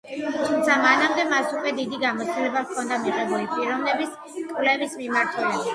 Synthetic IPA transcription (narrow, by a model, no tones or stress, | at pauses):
t̪ʰumt̪sʰamanamd̪ɛmasukʼwɛd̪id̪iɡamɔt̪st̪d̪ilɛbavkʰɔnd̪amiʁɛbulipʼiɾɔmnɛbis | kʼvlɛvismimaɾt̪ʰɛlɛbi